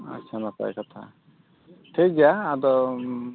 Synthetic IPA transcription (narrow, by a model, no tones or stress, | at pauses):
a̰t͡ʃʰanapa̰j̰kɔt̪ʰa̰ | ʈʰik̚d͡ʒaːd̪ɔ